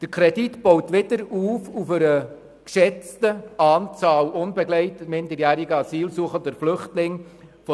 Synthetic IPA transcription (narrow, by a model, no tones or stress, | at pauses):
d̥əɾkʰɾɛditb̥owtʋɪdəɾuːfufəɾə | kʃɛt͡stəɑːnt͡sɑːlʔʊnbɛɡlɛɪtəmɪndəɾjæːɾiɡəɑsiːlsuəχəndəɾflʏχtlɪŋfɔ